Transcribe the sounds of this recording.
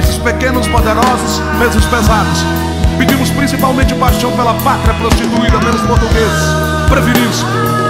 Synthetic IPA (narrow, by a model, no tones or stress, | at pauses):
sɪspekẽnʊspod̪eɾɔzʊs | mezʊspezad̪ʊs | pɪd͡ʒĩmʊspɾĩsipawmẽnt͡ʃɪʊpajʃɐ̃w̃pelɐpat̪ɾɐpɾost͡ʃit̪uid̪ɐpelʊspoɾt̪uɡezɪs | pɾeviɾimʊs